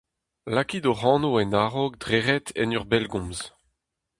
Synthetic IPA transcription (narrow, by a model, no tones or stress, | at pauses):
lakid̪oʁɑ̃ːnoɛnaːʁok̚dʁeʁɛt̪ʰɛ̰nœʁbɛlɡɔ̃mz